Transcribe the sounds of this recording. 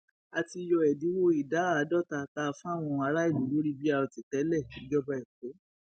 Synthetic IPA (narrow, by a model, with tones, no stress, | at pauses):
a˨ti˧jɔ˧ɛ˨di˨˦wo˦i˨da˨˦a˦˨˦dɔ˦˨ta˧ta˦˧fã˦a˦˨w̃ɔ̃˧a˧ɾa˦i˦˨lu˨˦lo˦ɾi˦bi˦a˦˧ɾɔ˧ti˨tɛ˨˦lɛ˦˨ʃi˨˦d͡ʒɔ˦bɔ˧ɛ˨k͡po˨˦